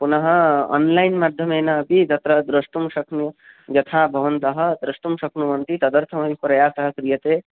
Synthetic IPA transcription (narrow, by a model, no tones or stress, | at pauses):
punəɦɔ̰nlajnmaːd̪ʱjɐmeːnabit̪ɐt̪ɾɐd̪ɾɐst̪umsɐkʰnu | d͡ʒɐt̪ʰabʱɐʋənt̪əɦəd̪ɾɐst̪umsɐkʰnuʋɐnt̪it̪ɐd̪əɾt̪ʰəmɐbipɾɐjasɐɦəkɾijɐt̪e